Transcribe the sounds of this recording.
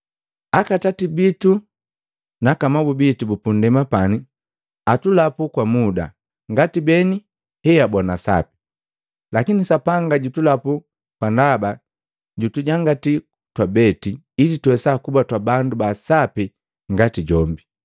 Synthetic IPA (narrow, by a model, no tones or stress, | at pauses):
akatatibitu | nakamabubitubupundɛmapani | atulapukwamuda̰ | ŋɡatibɛni | hɛabɔnasa̰pi̥ | lakinisapaŋɡaɟutulapu | kwandaba | ɟutuɟaŋɡati | twabɛti | ilitwɛsakubatwabandubasapi | ŋɡatiɟɔmbi